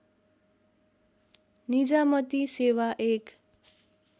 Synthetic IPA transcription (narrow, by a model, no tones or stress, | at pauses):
nid͡zamʌt̪isewaʔek